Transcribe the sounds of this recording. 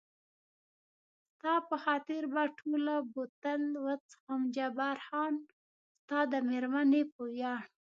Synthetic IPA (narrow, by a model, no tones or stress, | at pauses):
st̪ɑpəxɑt̪ɪɾbaʈʰolabot̪əlwət͡sxamd͡ʒabaɾxɑn | st̪ɑd̪əmeɾmanepojɑɳ